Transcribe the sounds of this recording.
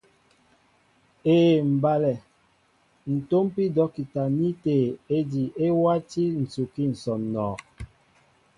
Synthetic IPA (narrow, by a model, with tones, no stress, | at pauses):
eː˨m̩˨ba˨lɛ˨ | n̩˨to˦mpi˦dɔ˨˦ki˨ta˨ni˦te˨e˦di˨e˦wa˦ti˦n̩˨t͡su˨ki˦n̩˨sɔ˨nnɔː˨